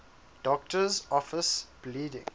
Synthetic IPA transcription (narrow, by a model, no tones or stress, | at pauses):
d̥ɔk̚təzɔfɪsb̥liːdɪ̰̃ŋ